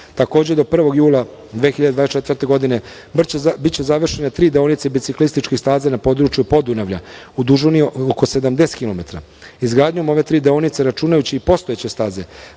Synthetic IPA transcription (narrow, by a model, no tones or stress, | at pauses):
t̪ako̞ːd͡ʑed̪o̞pr̩ʋo̞ɡjuːlˠa | d̪ʋexiʎad̪ed̪ʋaest͡ʃet̪rt̪e̞ɡo̞d̪ine̞ | bbit̪t͡ɕezaʋr̩ʃe̞net̪ɾiːd̪eonit̪sebit̪siklist̪it͡ʃkixst̪aːzanapo̞ːd̪ɾut͡ʃjupo̞d̪unaʋʎa̰ | ud̪uʒunioko̞se̞d̪amd̪e̞skilˠo̞me̞t̪ɾa̰ | izɡɾaːd̪ɲo̞mo̞ʋe̞t̪ɾiːd̪eonit̪seɾat͡ʃuːnajut͡ɕiipo̞st̪oet͡ɕe̞st̪aːze̞